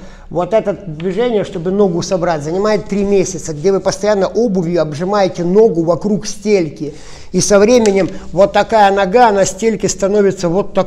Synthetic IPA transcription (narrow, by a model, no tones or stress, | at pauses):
vo̞t̪ɛt̪əd̪vʲɪʐɛnʲɪjəʂt̪o̞bɨno̞ɡʊsɐbɾatʲzənʲɪmajɪt̪ːɾʲimʲesʲɪt̪səɡ̚dʲe̞vɨpəst̪ɐjanːəʔo̞bɨvʲjʊɐbʐɨmajɪtʲɪno̞ɡʊvɐkɾuksʲtʲelʲkʲɪ | isɐvɾʲemʲɪnʲɪmvot̪ːɐkajənɐɡaɐnasʲtʲelʲkʲɪst̪ɐno̞vʲɪt̪səvo̞t̪ːɐ